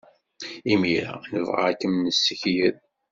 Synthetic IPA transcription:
imiɾa̰nəvʁa̰kːəmnəsːəçjəð

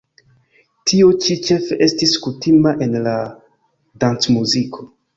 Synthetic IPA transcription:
tʰio̞t͡ʃit͡ʃe̞feʔestiskutimaʔe̞nla | dant͡smuzikʰo̞

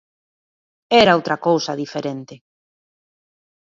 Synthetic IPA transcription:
ɛɾaowt̪ɾɐkowsɐðifeɾent̪ɪ

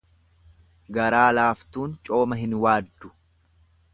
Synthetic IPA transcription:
ɡɐɾaːlaːft̪uːnt͡ʃʼo̞ːmɐɦɪnwaːd̪ːʊ̥

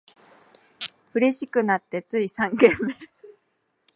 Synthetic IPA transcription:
ɸɯ̟ɾe̞ɕikɯ̟nat̪ːe̞t͡sɨisãŋɡẽ̞mːe

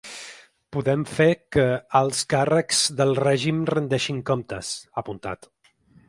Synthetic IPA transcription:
puðɛmfekəːlˠskarəkz̥ðəlˠrɛʒimrənd̪ɛʃiŋkomt̪ə̰səpunt̪a̰t̪

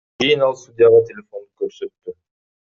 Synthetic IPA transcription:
kʲejinɑlˠst̪ud̪ʲjɑʁɑt̪ʰʲelʲefo̞nukøɾsøt̪ːy

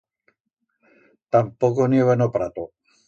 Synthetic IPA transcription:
t̪ampokonjeβenopɾat̪o

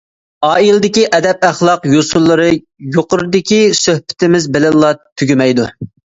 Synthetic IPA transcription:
ɑːilɪd̪ɪkʲiʔɛd̪ɛp̚æχlˠɑqjosulˠːɨɾɨ | joqʊɾɨd̪ɪkʲisøhpʰɪ̥t̪ɪmɪzbɪlɪlˠːɑt̪ʰːyɡʲymɛjd̪u

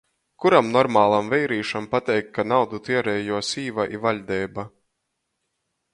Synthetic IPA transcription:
kuɾamnɔɾmaːlˠamvɛjɾiːʃampat̪ɛjkːanawd̪ut̪iɛɾɛːjuɔsiːvaʔḭvaʎʲd̪ɛːba

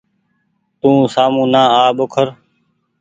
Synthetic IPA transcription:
t̪ũːsaːmũːnãːaːɓokʰəɾ

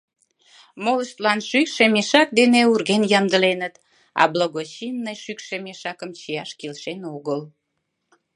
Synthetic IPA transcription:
moləʃt̪lɑnʃykʃemeʃɑk̚d̪eneurɣenjɑnd̪əlenət̪ | ɑ̰bloɣot͡ɕinːəjʃykʃemeʃɑkəmt͡ɕijɑʃkilʃenoɣəl

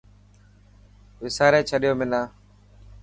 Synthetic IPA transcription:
ʋɪsaːɾeːt͡ʃʰəɗɪjoːmɪnaː

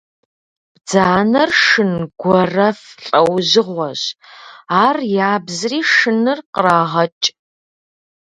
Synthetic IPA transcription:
b̥d͡zaːnɐrʂɨnɡʷɔrɐfɬʼɐwʑɪʁʷɔʑ | aːrjaːbzriːʂɨnɨrqəɾaːʁɐt͡ʃʼ

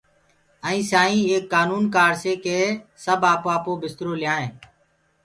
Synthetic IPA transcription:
əĩːsaːĩːeːkːaːnuːnkaːɽseːkeːsəbaːpːaːpoːbɪst̪ɾoːlɪjãːẽː

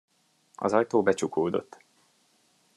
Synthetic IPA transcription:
ɒ̰zɒjt̪oːbɛt͡ʃukoːd̪o̞̰t̪ː

